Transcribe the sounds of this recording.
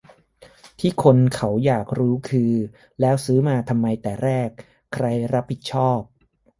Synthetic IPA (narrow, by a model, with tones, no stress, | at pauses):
t̪ʰiː˥˩kʰo˧nkʰa˦˥wjaː˨˩k̚ɾuː˦˥kʰɯː˧ | lɛː˦˥wsɯː˦˥maː˧t̪ʰa˧mːa˧jt̪ɛː˨˩ɾɛː˥˩k̚ʰː | ɾa˧jɾa˦˥p̚ʰːi˨˩t̪̚t͡ɕʰɔː˥˩p̚